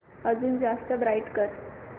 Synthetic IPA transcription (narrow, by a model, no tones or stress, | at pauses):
əd͡zuːnd͡zast̪əbɾaiʈkəɾ